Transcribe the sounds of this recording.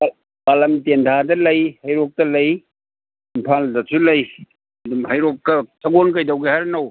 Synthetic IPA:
a | balɐmtendʰadɐlɐjhɐjɾok̚tɐlɐj | impʰaldɐsʰulɐj | ɐdumɦɐjɾok̚ːɐsʰɐɡonk̬ɐjdɐwɡihaɾnɐw

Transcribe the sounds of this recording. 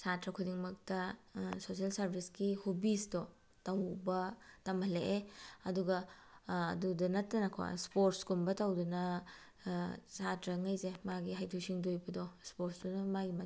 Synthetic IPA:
satɾɐkʰudiŋmɐk̚tɐsosielsɐɾbʰʱisɡihubisdɔ | tɐwbɐtɐmɐleʔeɐduɡɐ̰ː | dudɐnɐtːɐnɐkʰo̰spoɾtskumbɐtɐwdunɐ | satɾɐŋɐjzemaɡiɦajtʰuwsiŋdojbɐdɔspoɾsdɔnɐmaɡima

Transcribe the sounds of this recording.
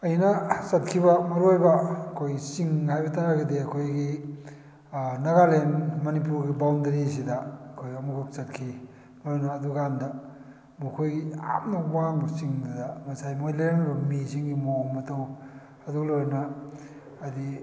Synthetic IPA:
ɐjnɐsɐt̚kʰibɐmɐɾojbɐɐkʰojɡisiŋhajbɐtaɾaɡɐdiɐkʰojɡi | nɐɡalenmɐnip̬uɾɡibawndɐɾis̬idɐɐkʰojɡiɐmukʰuk̚sɐt̚kʰi | mɐɾojnɐːduɡandɐ | mukʰojɡia̰p̚nɐwaŋbɐsiŋdɐdɐmɐsajmojlenɐɾomisiŋɡimomɐtɐw | ɐduklojɾnɐː | di

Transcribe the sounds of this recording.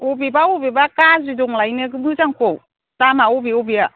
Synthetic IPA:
ɔbibaubibakazidɔŋlajneɡɯmɯzaŋkow | tamaɔbiɔbia

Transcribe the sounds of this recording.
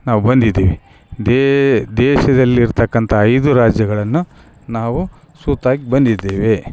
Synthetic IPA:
naːʋubɐnd̪id̪ːeːʋe | d̪d̪ɛːʃɐd̪ɐlːiːɾt̪ɐkːɐnt̪ʰɐːjd̪uɾaːd͡ʒjɐɡɐɭɐnːu | naːʋu | suːt̪aːɡibɐnd̪id̪ːeːʋe̞

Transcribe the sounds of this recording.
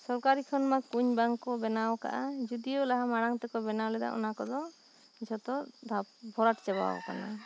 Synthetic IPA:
sɔɾkaɾikʰɔnmakuɲbaŋkɔbɛnawka̰ʔad͡ʒud̪ijɔlaɦamaɽaŋt̪ɛkɔbɛnawlɛd̪a̰ʔɔ̰nakɔd̪ɔ | it͡ʃʰɔt̪ɔd̪ʱabʱɔɾaʈt͡ʃɛba̰wɔ̰ka̰na̰

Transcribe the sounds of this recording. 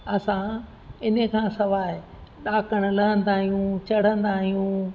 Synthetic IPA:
ɐsã | ɪnəkʰãːsɐʋaːɦɪ | ɗaːkəɽ̃ʊ̆lɐɦə̃nd̪aːɦijũt͡ɕɐɽ̤ə̃nd̪aːɦijũ

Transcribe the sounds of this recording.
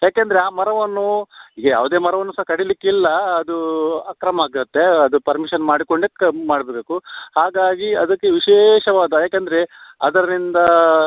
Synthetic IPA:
jaːkeːnd̪ɐɾeaːmɐɾɐʋɐnːuiːɡɐja̰ːʋud̪e̞ːmɐɾɐʋɐnːusɐɦɐkɐɽilikːilːɐɐd̪uakɾɐmɐaːɡiɾɐt̪ːe̞ɐd̪upɐɾmiʃɐnmaːɽiko̞ɳɖemaːɽɐbeːbe̞ːkuhaːɡaːɡiɐd̪ɐkːeʋiʃeːʃɐʋaːd̪ɐjaːkend̪ɐɾeɐd̪ɐɾnind̪ɐ

